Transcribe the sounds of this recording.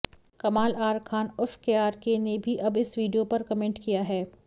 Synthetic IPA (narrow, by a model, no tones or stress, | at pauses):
kɐmaːlaːɾkʰaːnʊfkeaːɾkenebʱiʔɐbɪsʋiːɖijopɐɾkɐmẽːɳʈkijaɦɛː